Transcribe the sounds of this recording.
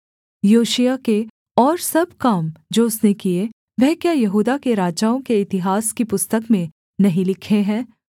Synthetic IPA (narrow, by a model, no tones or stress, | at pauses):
joːʃijake | ɔːɾsɐb̚kaːmd͡ʒoːʊsnekie | ʋɛɦkjajɐɦuːd̪akeɾaːd͡ʒaːõkeɪt̪ɪɦaːskipʊst̪əkmẽ | nɐɦĩlɪkʰeɦɛ̃ː